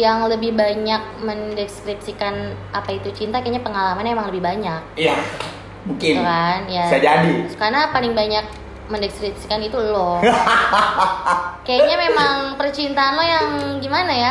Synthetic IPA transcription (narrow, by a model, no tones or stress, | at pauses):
jaŋləbɪhbaɲak̚məndɛskɾip̚sikanʔapait̪ut͡ʃint̪akaaɲapəŋalamanamemaŋləbɪhbaɲak̚ija | buŋkɪnkanjasaad͡ʒadikaɾənapalɪŋbaɲak̚ | məndɛskɾipsi̥kanit̪ulɔ | kajaɲamemaŋpərt͡ʃint̪aːnlɔhjaŋɡimanaja